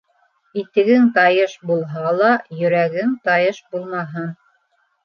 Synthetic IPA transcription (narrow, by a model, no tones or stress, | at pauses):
it̪ɘ̆ɡɘŋt̪ɑjɤʃbulˠɦɑlˠɑjɵ̆ɾæɡɘŋt̪ɑjɤʃbulˠmɑɦɤn